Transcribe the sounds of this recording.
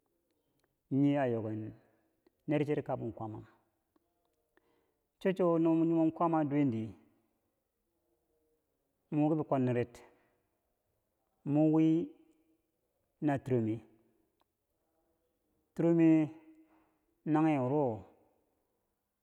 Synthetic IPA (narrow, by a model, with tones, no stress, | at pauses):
ɲi˦a˨jo˨ɡe˨nː | e˦ɾt͡ʃe˦ɾi˦ka˨bu˨n˨kʷa˦ma˨ | t͡ʃo˦t͡ʃo˦no˦mu˦ɲu˦mo˦nkʷa˦ma˦du˦e˦ndi˨ | mu˨˦ɡi˦bi˨kʷo˦nːi˨ɾe˨˦t | mu˦wi˦ | na˨tu˨ɾo˨mi˦ | tu˦ɾo˦mi˦ | na˦ŋe˦˨u˨ɾo˦˨